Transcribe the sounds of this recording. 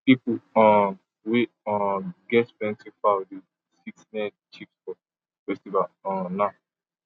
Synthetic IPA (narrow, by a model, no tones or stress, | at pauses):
pipuɔ̃ | we | ɔ̃ɡɛtbɛ̃ntifadi | siksnɛ̃ | t͡ʃipsfɔ | fɛstivaɔ̃na